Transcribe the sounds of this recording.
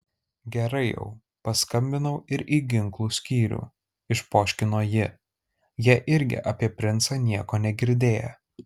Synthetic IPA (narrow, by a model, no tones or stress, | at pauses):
ɡʲɛɾɐɪjɛ̰ʊ | pɐskɐmʲbʲɪnɐʊɪɾʔiːɡʲɪŋklˠuːsʲkʲiːɾʲṵː | ɪʃpoːʃʲkʲɪnoːjɪ | jiʔɪɾʲɡʲɪ̰ʔɐpʲiɛpʲɾʲɪnt̪sɐnʲiɛkoːnʲɛɡʲɪɾʲd̪ʲeːjɛ̰